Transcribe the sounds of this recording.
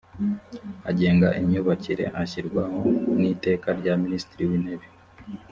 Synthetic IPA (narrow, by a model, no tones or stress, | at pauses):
a̰ɟe̞ːŋɡaʔiɲuβaciɾe̞̰ʔaçiɾɡwaho̞niːte̞ːkaɾɟaministiɾiwiːneβi